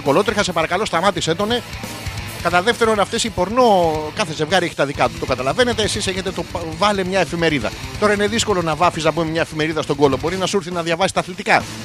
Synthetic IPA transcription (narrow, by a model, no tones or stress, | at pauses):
oko̞lo̞t̪ɾixɐsepɐɾɐkɐlo̞st̪ɐmɐt̪ise̞t̪o̞ne̞ | kɐt̪ɐðe̞ft̪e̞ɾo̞nɐft̪esipo̞ɾno̞kɐθe̞ze̞vɣɐɾieçit̪ɐðikɐt̪u̥t̪o̞kɐt̪ɐlɐve̞ne̞t̪e̞ːsiseçe̞t̪e̞t̪ovɐlemɲɐe̞fime̞ɾiðɐ̰t̪o̞ɾɐineðisko̞lo̞nɐvɐfisnɐbumemɲɐefime̞ɾiðɐst̪oɡo̞lo̞bo̞ɾinɐsuɾθinɐðʝɐvɐsi̥st̪ɐθlit̪ikɐ